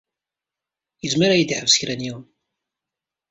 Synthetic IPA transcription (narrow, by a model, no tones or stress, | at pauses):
jəzməɾajəd̪iħəvsə̥çɾænjiwən